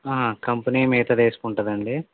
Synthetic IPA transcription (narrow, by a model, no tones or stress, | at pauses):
aːɦakɐmpɐniːmiːt̪ɐd̪eːskuɳʈɐd̪ɐɳɖi